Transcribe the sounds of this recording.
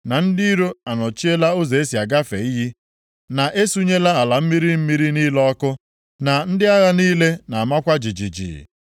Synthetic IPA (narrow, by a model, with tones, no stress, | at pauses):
na˨n̩˦di˦ɾo˦a˨nɔ˨t͡ʃi˦e˦la˦ʊ˦ze˨e˦si˨a˨ɡa˦fḛ˨i˦ɦi˦ | na˨ʔe˦su˦ɲe˦la˦a˨la˨m̩˦mi˦ɾi˦m̩˦mi˦ɾi˦ni˦lɔ˦kʊ˦ | na˨n̩˦dɪ˦a˦ɣa˦niː˦le˦na˨a˨ma˦kʷa˦d͡ʒi˨d͡ʒi˨d͡ʒḭ˨